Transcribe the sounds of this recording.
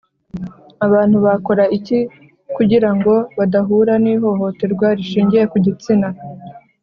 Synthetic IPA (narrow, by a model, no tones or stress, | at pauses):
aβaːn̥huβako̞ɾaici | kuɟiɾaŋɡo̞βadaɦuɾaniːɦo̞ɦo̞te̞ɾɡwaɾiʃiːɲɟije̞kuɟit͡sina